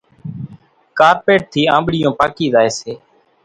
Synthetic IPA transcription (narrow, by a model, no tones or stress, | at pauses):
kaːɾpeːʈ̚t̪ʰiːãːmɓɽɪjõːpaːkiːzaːeːseː